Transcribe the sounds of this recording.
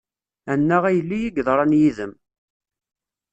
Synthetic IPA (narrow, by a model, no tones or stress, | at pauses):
ænːæʁæjəlːijiɡðˤɾˤɑnjiðəm